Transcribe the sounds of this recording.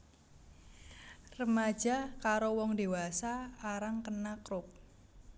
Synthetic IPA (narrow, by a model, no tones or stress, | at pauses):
rəmḁʒ̥a̤kaɾowɔŋd̪ewasaːɾaŋkənakɾʊp̚